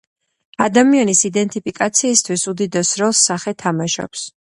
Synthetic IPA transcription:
ad̪amianisid̪ɛnt̪ʼipʰikʼat̪sʰiːst̪ʰwisud̪id̪ɛsɾɔlˠsːaχɛt̪ʰamaʃɔ̰ps

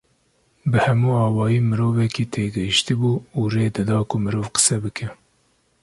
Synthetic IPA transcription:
bɨhɛmuːɑːwɑːjiːmɨɾoːvɛkiːt̪ʰeːɡɛhiʃt̪ibuːuːreːd̪ɨd̪ɑːkʊmɨɾoːvqə̥sɛbɨkʰɛ

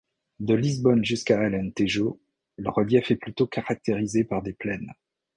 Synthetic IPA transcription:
d̪əlizbɔnʒyskaɛlɛ̃nt̪eʒo | ləʁəljɛfɛplyt̪okaʁak̚t̪eʁizepaʁd̪eplɛn

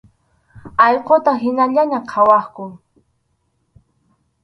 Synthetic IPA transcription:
ɑjqot̪aɦɪnaʎaɲaqʰɑwɑχkʊŋ

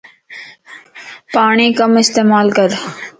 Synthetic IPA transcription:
paːɳiːkɐmɪst̪eːmaːlkɐɾ

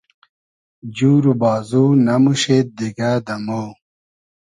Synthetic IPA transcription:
d͡ʑuːɾubaːzuːnɐmuɕeːt̪̚d̪iɡaːd̪ɐmoː

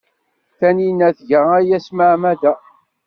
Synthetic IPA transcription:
θæninæθʝəʁæjæsmaʕmæðæ

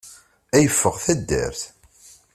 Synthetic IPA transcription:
æjəfːəʁθæd̪ːæ̰ɾθ

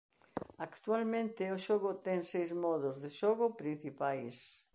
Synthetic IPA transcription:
akt̪ualmẽnt̪ɪʊʃɔɣʊt̪ɛŋsejzmɔðʊzðeʃɔɣʊpɾin̟θipajs

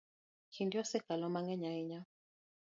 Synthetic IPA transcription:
t͡ʃindiɔsɛkalɔmaŋɡɛɲaiɲa

